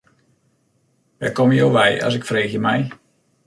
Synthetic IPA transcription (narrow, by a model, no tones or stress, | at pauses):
ʋɛkomjowʋɛja̰s̬ɪkfreːxjəmɛj